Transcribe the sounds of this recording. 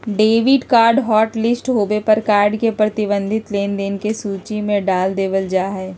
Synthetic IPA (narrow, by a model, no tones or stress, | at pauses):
ɖeːʋɪɖkaːɾɖɦɔːʈlɪsʈɦoːbepɐɾkaːɾɖkepɾɐt̪ɪbə̃nd̪ʱɪt̪leːnd̪eːnkesuːt͡ʃimẽɖaːld̪eːʋəld͡ʒaːɦɛː